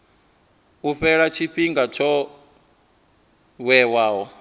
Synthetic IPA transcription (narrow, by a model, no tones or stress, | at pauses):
uɸɛɺat͡ʃʰiɸiŋɡat͡ʃʰɔ | wɛwaːɦɔ